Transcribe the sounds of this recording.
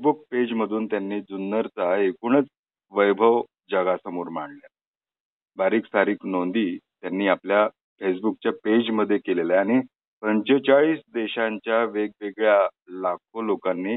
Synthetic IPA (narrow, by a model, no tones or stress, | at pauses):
buk̚ped͡ʑməd̪ʱuːnt̪janːiːd͡zunːəɾt͡saekuɳ̃ət͡s | ʋəjbʱəʋ | d͡ʑəɡasəmoɾmaɳlja | baɾiːksaɾiːknond̪iːt̪janːiːaplja | fes̬buk̚t͡ɕjaped͡ʑməd̪ʱːjekelelaaɽ̃i | pəɲt͡ɕet͡ɕaɭiːsd̪eɕaɲt͡ɕjaʋeɡ̚ʋeɡɭja | lak̚ʰolokanːiː